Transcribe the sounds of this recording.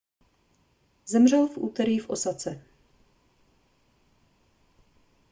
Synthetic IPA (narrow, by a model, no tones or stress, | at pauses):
zɛmr̝ɛlfʔuːt̪ɛɾiːfʔosat͡sɛ